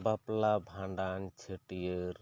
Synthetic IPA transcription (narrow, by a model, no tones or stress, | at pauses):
baplabʱãɳɖant͡ʃʰəʈijəɾ